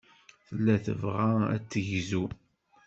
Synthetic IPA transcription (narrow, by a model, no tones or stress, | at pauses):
θəlːæθə̰vʁææ̰t͡sːəʝzu